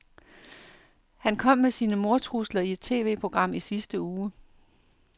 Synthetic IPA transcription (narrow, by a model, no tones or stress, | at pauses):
hænkʰɒ̽m̰mesiːnəmo̝ɐt͡sʰʁuslɐie̝d̥̚t͡sʰe̝̰ːʋe̝̰ːpʰʁo̝ɡ̥ʁɑ̈m̰isisd̥əuː